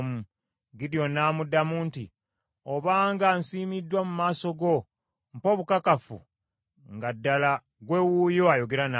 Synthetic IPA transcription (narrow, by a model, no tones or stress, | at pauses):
mu | ɡiɾjo̞naːmudamuntḭ | oβaːŋɡansiːmidːwamumaːso̞ɡo̞ | mpo̞βukakafṵ | ŋɡadːala | ɡwe̞wujoajo̞ɡe̞ɾana